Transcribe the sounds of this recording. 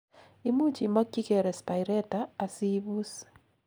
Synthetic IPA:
i˦mu˦t͡ʃi˨mɔ˦kːi˦kɛ˨ɾɛ˨spa˨jɾɛ˦taː˨si˦bu˦s

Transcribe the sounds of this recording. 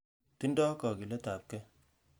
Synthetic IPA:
ti˦ndɔ˦kɔ˨ki˨le˦ta˨p̚kɛ˦

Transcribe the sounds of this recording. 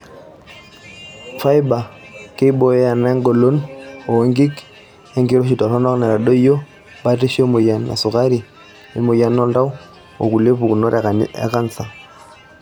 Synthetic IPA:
fa˦i˦ba˨ke˦i˦ɓɔ˦jɔ˦ja˨na˦ŋɡɔ˨lɔ˦nɔ˨ŋɡi˦k | e˦ŋɡi˦ɾɔ˦ʃi˨ta˨sɔ˦nɔ˦kna˨ɾa˨ɗɔ˦i˦jɔ˦ | ba˦ti˦ʃi˦ɔ˦mu˨ja˨nna̰˨su˨ka˦ɾi˨ | i˨mu˨ja˨nɔ˦nda˦u˦ | o˨ku˨le˦pu˨ku˨nɔ˦ɾa̰˨ka˦nt͡sa˨

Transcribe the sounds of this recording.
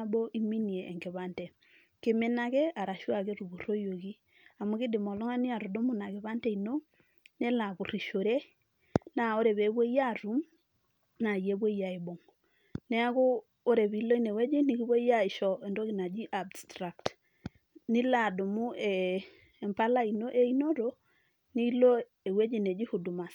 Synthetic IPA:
a˦bɔ˦ʔi˦mi˦ni˨e˨ʔɛ˨ŋɡɛ˨βa˦ntɛ˨ | kɪ˦mɪ˦na˦kɛ˦a˨ɾa˨ʃwa˨ke˦ɾu˨bu˨ro˦jo˨ki˦ | a˨mʊ˦kɪ˦dɪ˨mɔ˨lɔ˦ŋa˦nɪ˦a˨ɾu˨dʊ˦mʊ˦na˨kɪ˨βa˦ntɛ˦˨i˨no˦ | nɛ˦la˨βu˨ri˨ʃo˨ɾe˦ | na˨o˦ɾɛ˨βe˨˦bɔ˦ja˦˨ru˦m | na˨je˦βwo˦i˦ja˨e˨bo˨ŋo | nɛ˦a˦ɣʊ˦ | o˦ɾɛ˨βi˨˦lo˦i˦ne˨wɛ˦d͡ʒe˦ni˨˦ɣi˦βo˦i˦ja˦ɪ˨ʃɔ˦ɛ˨ndo˦ɣi˨na˨d͡ʒi˦ʔabstɾa˨k̚t | nɪ˦la˨do˨mu˦ɛː˨ | mpa˦la˦i˨no˦ʔe˦i˦no˦ɾo˦ | ni˦lo˦ | e˨we˦d͡ʒi˦˨ne˨d͡ʒi˦hu˨du˨ma˨s

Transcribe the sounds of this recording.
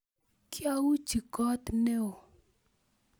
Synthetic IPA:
kɪ˦a˦wu˦t͡ʃi˨kɔ˦t̪ne˦o˨

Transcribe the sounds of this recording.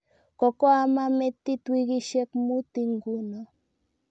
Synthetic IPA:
kɔ˨kɔ˦a˦ma˦mɛ˦t̪i˦t̪wi˦ɣi˦ʃɛ˦kmu˦t̪i˦ŋɡu˦na˨

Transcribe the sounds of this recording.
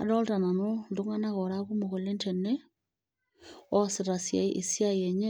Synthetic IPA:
a̰˨dɔ˦lta˨na˨no˦ndo˦ŋa˦na˦ɣɔ˨ɾa˦ku˦mo˨ɣo˨le˦ntɛ˨nɛ˦ | ɔ˦se˨ɾa˨sja̰˨iʔe˨sja˦jɛ˨ɲe˦

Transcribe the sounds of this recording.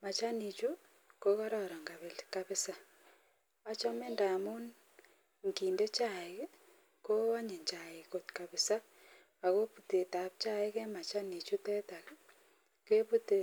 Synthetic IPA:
ma˨t͡ʃa˦ni˨t͡ʃu˦ | ko˦kɔ˦ɾɔ˨ɾɔ˨ŋɡa˨βe˨lka˦βɪ˦sa˦ | a˦t͡ʃɔ˦me˦ndaː˨mu˦n | ŋkiː˨nde˦t͡ʃa˦˨e | ko˦a˦ɲe˨ɲt͡ʃa˨ɪ˨ko˨tka˨βɪ˨sa˦ | a˨ɣo˦pu˨te˨ta˨p̚t͡ʃa˦e˦ke˦ma˨t͡ʃa˦ni˨t͡ʃu˦tɛ˦ta˨k | ke˦pu˦te˦

